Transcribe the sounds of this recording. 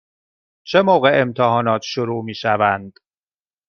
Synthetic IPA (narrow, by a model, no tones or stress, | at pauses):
t͡ʃʰe̞moːɣe̞ʔemt̪ʰeɦɒːnɒːt̪ʰʃoɾuːmiːʃævænd̪̥